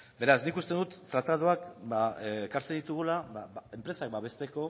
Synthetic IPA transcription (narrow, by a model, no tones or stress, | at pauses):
be̞ɾasnikust̪e̞nd̪ut̪ːɾat̪aðuakbaekaɾt͡send̪it̪uɣ̞ulabaae̞mpɾe̞sakbaβe̞st̪e̞ko̞